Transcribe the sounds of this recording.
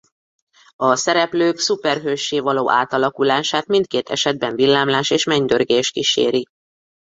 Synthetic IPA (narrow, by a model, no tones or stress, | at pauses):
ɒsɛɾɛpløːksupɛrɦøːʃːeːvɒloːʔaːt̪ɒlɒkulaːʃaːt̪mint̪̚keːt̪ʰɛ̰ʃɛd̪̚bɛɱvilːaːmlaːʃeːʃmɛɲd̪ørɡeːʃkiʃḛːɾi